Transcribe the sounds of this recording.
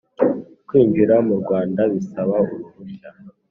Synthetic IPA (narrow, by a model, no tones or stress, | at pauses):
kwiːɱviɾamuɾɡwaːndaβisaβauɾuβuca